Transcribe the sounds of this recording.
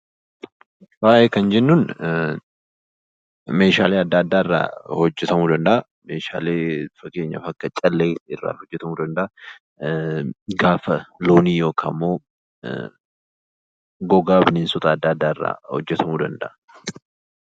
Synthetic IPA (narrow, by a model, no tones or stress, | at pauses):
waːʔeːkɐnd͡ʒɛnːuːn | me̞ːʃaːleːɐd̪ːaːd̪ːaːɪrːa̰ːhɔd͡ʒːɛt̪ɐmuːd̪ɐnd̪ɐʔɐ | meːʃa̰ːleːfɐke̞ːɲːɐ̰fɐkːɐt͡ʃʼɐlːeːɪrːa̰ːhɔd͡ʒːɛt̪ɐmuːd̪ɐnd̪ɐʔɐ | ɡaːfɐloːniːjo̞ːkʰa̰ːmːoː | ɡɔɡaːbɪneːnsʊt̪ʼaːd̪ːaːd̪ːaːɪrːa̰ːhɔ̰d͡ʒːɛt̪ɐmuːd̪ɐnd̪ɐʔɐ̥